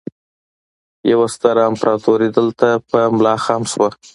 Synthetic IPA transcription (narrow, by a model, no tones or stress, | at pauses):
jawast̪aɾaːmpɾʔɑt̪ʰoɾed̪əlt̪apəmʊlɑxɑmʃwa